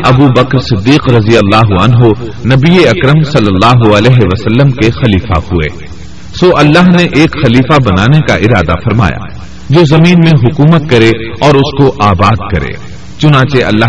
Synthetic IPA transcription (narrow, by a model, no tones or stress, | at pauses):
ɐbuːbɐkɾsɪd̪ːiːqɾɐzijəlːaːɦuɐnɦonɐbieɐkɾəmsɐlːəlːaːɦuɐlɛːɦeʋɐsɐlːəmkexɐliːfa̰huḛː | soːʔɐlːaːɦneʔeːkxɐliːfabɐnaːnekaʔɪɾaːd̪a̰fɐɾma̰ːja̰ | d͡ʒoːzɐmiːnmẽɦʊkuːmət̪̚kɐɾeɔːɾʊskoʔaːbaːd̪kɐɾḛː | t͡ʃʊnãːt͡ʃeɐ̰lːaː